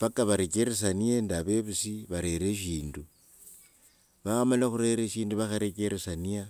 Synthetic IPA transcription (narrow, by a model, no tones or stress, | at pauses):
βakaβaɾekeɾes̬aniendaβeβusiβaɾe̞ɾeʃiːndu | βaxamalaxuɾe̞ɾeʃiːnduβaxaɾekeɾesania